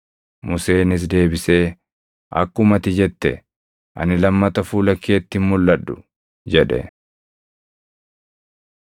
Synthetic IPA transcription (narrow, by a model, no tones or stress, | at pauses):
mʊse̞ːnɪs̬d̪e̞ːbɪse̞ː | ʔɐ̰kːʊmɐt̪ɪd͡ʒɛt̪ːɛ̰ | ʔɐ̰nɪlɐmːɐt̪ɐfuːlɐkːeːt̪ːɪmmʊlːɐᶑːʊ | d͡ʒɛᶑɛ̰